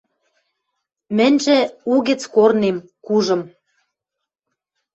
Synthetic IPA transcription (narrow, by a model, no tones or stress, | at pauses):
mɘ̆nʲʒĕuɣɘ̆t͡skornemkuʒɤ̆m